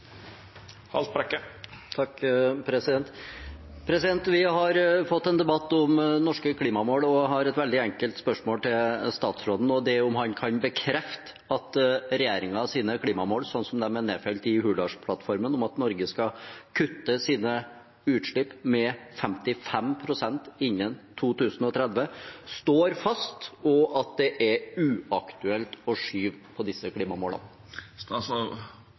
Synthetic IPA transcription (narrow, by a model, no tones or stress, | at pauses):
hɑ̰lt̪̚pʰɾɛkːət̪ʰɑkpʰɾɛsɪd̪ɛnt̪ | pʰɾɛsɪd̪ɛnt̪ʋɪhɑɾfɔt̪ːɛnd̪ɛbɑt̪ːʊmnɔʂkəkʰliːmɑmoːlɔɦɑɾɛt̪ʋɛld̪ɪæŋkəlt̪spœʂmoːlt̪ʰɪlst̪ɑːt̪sfɾɔd̪n̩ɔd̪ɛʊmɦɑnkʰɑnbəkʰɾɛft̪ə̥ | ɑt̪ɾɛjeːɾɪŋɑɑsiːnəkʰliːmɑmoːlsɔnːsɔmd̪ɛmɛneːfɛlt̪ɪhʉːlɑʂpʰlɑt̪fɔɾmənʊmɑt̪nɔɾɡəskɑkʰʉt̪ːəsiːnə | ʉːt̪ʂɭɪpmɛfɛmt̪ɪfɛmpʰɾʊsɛnt̪ɪnːənt̪ʰuːt̪ʉːsn̩ɔt̪ʰɾɛd̪ʋəst̪oːɾfɑst̪ɔʔɑt̪̚d̪ɛʔɛɾʉːɑkt̪ʉɛlt̪ɔʂyːʋpʰɔd̪ɪsːəkʰliːmɑmoːlə̰n | sɔ